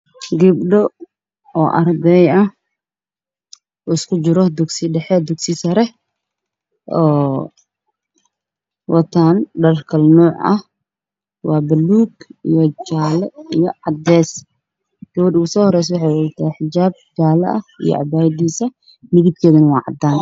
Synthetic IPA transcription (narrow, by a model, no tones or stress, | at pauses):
ɡɪbɖɔ | ɔːʔɐrd̪ɛjɐh | ɔɪskʰʊt͡ʃɪɾɔd̪ʊɡsɪɖɛħɛd̪ʊɡsɪsɐɾɛ | ʔɔː | wʔɐt̪ʰaːnɖɐrkʰɐlnɔːʕʔɐ̰h | wɑːbɐlːuːɡijɔt͡ʃaːlɛijɔʕɑd̪ɛːs | ɡ̥ɐwɐdʊsɔːhɔɾɛjs̬wɑħɑjwɑt̪ʰaːħɪd͡ʒaːb̚d͡ʒaːlɐ̰ʔɐhḭjɔ̰ʔɑ̰baːjd̪iːsɐ | mɪðib̚kʰɛːðɐnɐwɑːʕɑ̰d̪aːn